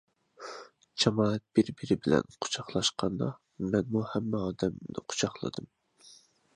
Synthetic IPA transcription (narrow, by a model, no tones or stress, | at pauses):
t͡ʃʰɑmɑːɛt̪̚b̥ɪɾbɪɾɪbɪlɛ̰nqʰʊ̥t͡ʃʰɑχlˠɑʃqʰɑnd̪ɑ | mɛnmuhɛmːɛɑːd̪ɛmnɪ̰qʰʊ̥t͡ʃʰɑχlˠɨ̰d̪ɨm